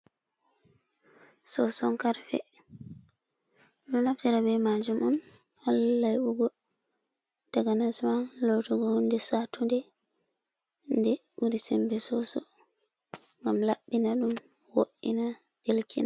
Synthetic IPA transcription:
sɔsɔŋkaɾfɛ̰ | ɗunnaftiɾabɛmad͡ʒumɔn | halaːajuɡɔ | taɡanasmanlɔtɔɡɔɔndɛsatundɛ | ndɛuɾisɛmbɛsɔsɔ̰ | ŋɡamlaɓːinaɗumwo̰ʔːḭnaʔelkʰḭna

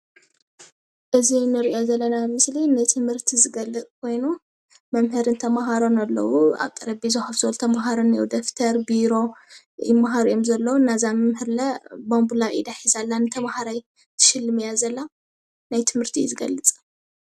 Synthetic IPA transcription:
ʔɨzinɨɾiʔo̞zɐlːɐnamɨslinɨt̪ʰɨmhɨɾt̪ʰizɨɡɐlːɨt͡sʼkʰo̞jnu | mɐmhɨɾɨnt̪ʰɐmaɦaɾo̞nalːɐ̰wua̰βt̪ʼɐɾɐbizohafsolt̪ʰɐmaɦaɾonɨjowd̪oft̪ʰɐɾbiɾo̞ | jɪmːaɦaɾjomzɐlːɐwunazamɐmhɨɾlɐbombulajḭd̪aħizalːanɨt̪ʰɐmahaɾaj | t̪ʰɨ̥ʃɪlːɨmjazɐlːa | najt̪ʰɨmhɨɾt̪ʰizɨɡɐ̰lːɨt͡sʼ

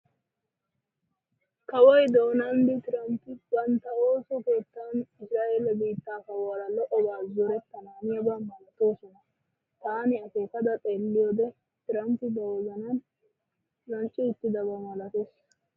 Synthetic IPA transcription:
kɐwɔjd̪o̞ːnand̪ɪt̪ɪɾɐmpːɪbɐnt̪ɐo̞ːsɔke̞ːt̪ːaːnɪsɾaːʔe̞lɐbiːt̪ːaːkɐwaɾɐlɔʔɔbaːzɔɾɛt̪ːɐnaːnɪjɐbamɐlɐt̪o̞ːsɔnɐ | t̪aːnɪɐfe̞ːkɐd̪ɐt̪ʼeːlːɪjoːd̪ɛ | t̪ɪɾɐmpːɪd̪ɐwɔzɐnan | lɐnt͡ʃʼːɪɪt̪ːɪd̪ɐbɐmɐlɐt̪eːs

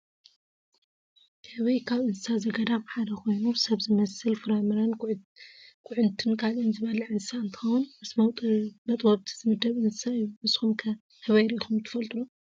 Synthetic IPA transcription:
ɨβɐjkʰaβʔɨnɨsazɐɡɐd̪abħad̪ɐxʰo̞jnusɐβzɨmɐsɨlfɨɾamɨɾɐn | kʼʊʕʊnt̪ʰɨnkʰalɨnzɨβɐlɐʕɨnɨsaɨnt̪ʰɨ̥xɐwunmɨsmɐwt̪ʼɨmɐt̪ʼwɐβt̪ʰi̥zɨmɨd̪ɐβʔɨnsɨsaɨjːumɨsxumkʰɐ | hɨβɐjɾixumt̪ʰɨ̥fɐlt̪ʼunu

